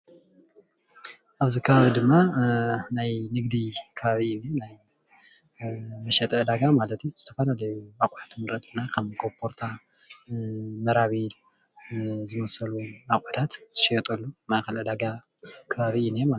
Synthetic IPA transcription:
ʔaβzikʰɐβaβid̪ɨmːa | najnɨɡd̪ikʰɐβaβiβinaj | mɐʃɛt̪ʼɐd̪aɡamalɐt̪juzɨt̪ʰɐ̥fɐlalɐjuakʼaħt̪ʰumɨɾɐd̪ʼɨnakʰɐmɡʰopʰoɾt̪ʰa | mɐɾaβi | zɨmɐsɐlunakʼħt̪ʰat̪z̥ɨʃijɛt̪ʼɐlːumaʔxɐlɐd̪aɡa | kʰɐβaβiɨnema

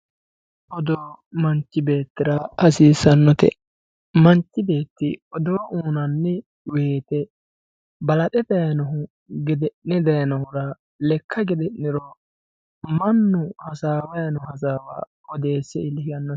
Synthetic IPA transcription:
ʔɔd̪oːmɐnt͡ʃːɪbe̞ːt̪ːɪɾɐhɐsiːsɐnːɔt̪ɛ̰ | mɐnt͡ʃːɪbe̞ːt̪ːɪɔd̪oːʔuːnɐnːɛ | we̞ːt̪ɛ | bɐlɐtɛd̪ɐjɐnɐɦʊ | ɡɛd̪ɛɛd̪ɐjɐnɐhʊɾɐ | lɛkʰːɐɡɛd̪ɛnːɪɾɔ | mɐnːʊhɐsaːwɐjɐnɔhɐs̬aːwa̰ː | ɔd̪e̞ːsːɛɪlɪhɪjɐnːɔ

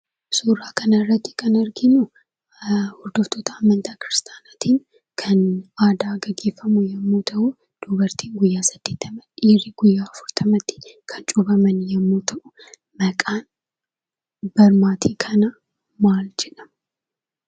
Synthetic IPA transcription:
suːraːkʰɐnɐrːɐt̪ːɪ̥kʰɐnɐɾɡɪnu | hʊɾd̪oɔft̪ʰot̪ʰɐːmːɐnt̪ʰakɾɪst̪ʼaːnaːt̪iːn | kʰɐnaːd̪aːɡɐɡːeːfːɐmujɛmːoːt̪ʰɐʔu | d̪̥uːbɐɾt̪ʰiːŋɡʊjːaːsɐd̪̥ːeːt̪ʰːɐmɐᶑiːɾiɡʊjːaːfʊɾt̪ʰɐmɐt̪ːɪ̥kʰɐt͡ʃʼubɐmɐnjɛmːoːt̪ʰɐʔʊ | mɐkʼaːn | bɐɾmaːt̪ʰiːkʰɐnɐ | maːld͡ʒɛᶑɐm

